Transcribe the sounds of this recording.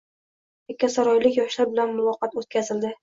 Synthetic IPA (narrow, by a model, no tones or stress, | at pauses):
ekʲːasaɾɒjlɪkʲjɒʃlaɾbɪlanmʊlˠɒqɑt̪ot̪̚kʲʰazɪld̪ɪ